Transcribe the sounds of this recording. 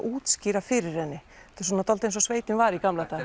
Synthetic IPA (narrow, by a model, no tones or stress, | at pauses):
ʔuːt̪sciːɾafɪɾɪ̥hɛnːɪ | t̪ɪ̥sɔːnat̪alt̪ens̬ɔsveːjt̪ɪnvaɾikamlat̪ʰaː